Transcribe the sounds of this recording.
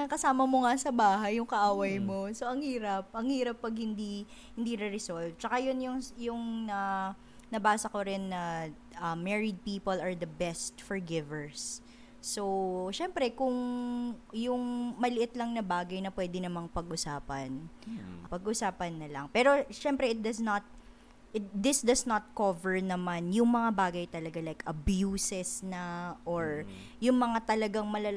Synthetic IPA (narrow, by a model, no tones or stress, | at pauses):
ɐkɐsaːmɐmoŋasɐbaːɦɐjːʊŋkɐʔaːwɐjmo̞soʔɐŋhiːɾɐp̚ʔɐŋhiːɾɐpːɐɡ̚hɪnd̪i | hɪnd̪iɾɛɾɛsolv̚t͡ʃɐkajonjʊŋjʊŋnɐ | nɐbaːsɐkoɾɪnːɐ | ʔɐmːɛɹɪd̪̚piːpolɐɹd̪ɐbɛst̪fɔɹɡɪvɛɹsː | oʃɛmpɾɛkʊŋ | jʊŋmɐlɪʔɪt̪lɐŋnɐbaːɡɐjnɐpwɛd̪ɪnɐmaŋpɐɡʔʊsaːpɐnpɐɡʔʊsaːpɐnːɐlɐŋpɛːɾo̞ʃɛmpɾɛɪt̪̚d̪ɐsnɐt̪̚ | ʔɪt̪̚d̪ɪsd̪ɐsnɐt̪̚kovɛɹnɐmanjʊŋmɐŋabaːɡɐjt̪ɐlɐɡalajkʔɐbjuːsɛsnɐʔoɹ | jʊŋmɐŋat̪ɐlɐɡaŋmɐlɐ